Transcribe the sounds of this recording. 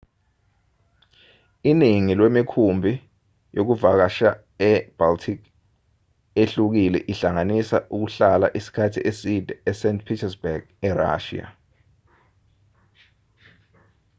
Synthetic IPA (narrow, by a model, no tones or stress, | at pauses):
iniŋilwemikʰumbʱi | jok̬uvak̬aʃa | ɛb̥altʰik | eɬuk̬ilɛ̰ʔiɬaŋanisaʔuk̬uɬala̰ʔisi̥kʰatʰiʔesid̥ʱɛɛsɛntʰpʰitʰɛsbɛɡ̥ | ɛra̰ːʃḭa̰